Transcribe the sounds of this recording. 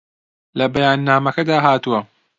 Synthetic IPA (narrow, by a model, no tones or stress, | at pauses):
lɐbɐjaːnːaːmɐkɐd̪aːɦaːt̪uwɐ